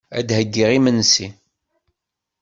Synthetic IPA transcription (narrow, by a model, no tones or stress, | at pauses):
æ̰d̪həɡːiʁimənsi